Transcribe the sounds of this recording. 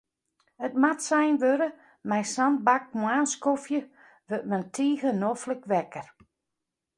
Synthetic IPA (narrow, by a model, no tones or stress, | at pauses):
ət̚matsɛjnʋøɾə | mɛjsan̚bak̚mwaːnskofjə | ʋøt̚mɛntʰiːɣənofləkʋɛkər